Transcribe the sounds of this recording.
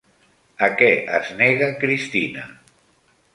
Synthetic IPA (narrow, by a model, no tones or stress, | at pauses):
əkɛʔə̰zneɣakɾist̪inə̰